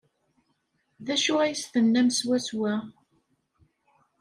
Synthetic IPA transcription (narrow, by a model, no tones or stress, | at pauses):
ðæʃʊæjəsθənːæmswæswæ